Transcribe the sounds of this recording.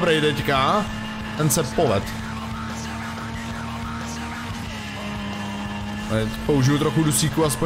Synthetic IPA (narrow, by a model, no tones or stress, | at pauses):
bɾɛjt̪ɛcka | t̪ɛnsɛppːolɛt̪ | pouʒɪvjut̪ɾoxudusiːkuaspo